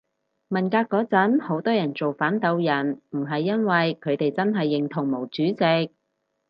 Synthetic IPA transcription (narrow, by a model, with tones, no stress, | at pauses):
mɐ˨˩nkaː˧kːɔː˨˧˥t͡sɐ˨˥nho˨˥wt̪ɔː˥jɐ˨˩nt͡so˨wfaː˨˥nt̪ɐ˧wjɐ˨˩nm̩˨˩ɦɐ˨jːɐ˥nwɐ˨jkʰɵ˨˧ɥt̪e˨jt͡sɐ˥nɦɐ˨jːɪ˨˩ŋt̪ʰʊ˨˩ŋmo˨˩wt͡syː˨˥t͡sɪ˨˧k̚